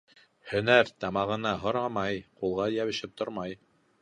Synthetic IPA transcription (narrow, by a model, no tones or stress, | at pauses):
hɵ̆næɾt̪ɑmɑʁɤ̆nɑɦŏɾɑmɑjqulˠʁɑjæβɘ̆ʃɘp̚t̪ʰoɾmɑj